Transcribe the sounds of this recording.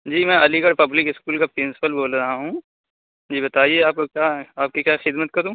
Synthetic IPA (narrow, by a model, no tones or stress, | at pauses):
d͡ʒiːmɛ̃ɐliɡɐɽpɐblɪkɪskuːlkapɾɪ̃nsɪ̥pəlboːlɾɐɦaɦũː | d͡ʒiːbɐt̪aːieaːp̚kokjaːaːp̚kikjaːxɪd̪mət̪̚kɐɾũː